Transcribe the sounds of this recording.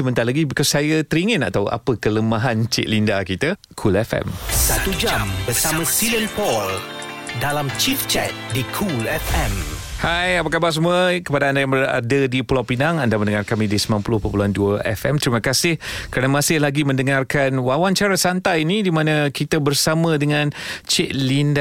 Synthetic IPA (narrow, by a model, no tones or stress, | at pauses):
səmənt̪alaɡibikɔsːajət̪əɾiŋə̃na̰t̪awa̰pəkələmaɦant͡ʃɪ̰ʔ̪̚lindakit̪ə | kʰulɛfɛ̰msat̪ud͡ʒambərsamãsilənpɔl | dalamt͡ʃift͡ʃɛt̪̚dikʰulɛfɛm | hajapakabas̬əmuəkəpadaandajaŋbəra̰dədipulapinaŋandamənəŋarkamidisəmanpulʊhpəpuluanduəʔɛ̰fɛ̰mt̪əɾimakasɪhkɾanamãsɪhlaɡimə̃ndəŋarkanwawant͡ʃaɾasant̪ajinidimãnəkit̪əbərsamə̃dəŋãnt͡ʃɛʔ̚linda